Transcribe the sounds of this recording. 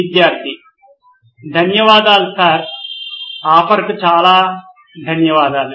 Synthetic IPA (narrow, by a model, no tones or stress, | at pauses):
id̪jaːɾt̪ʰi | d̪ʱɐnjɐʋaːd̪aːlusaːɾ | aːpʰɐɾɐkut͡ʃaːlaː | d̪ʱɐnjɐʋaːd̪aːlu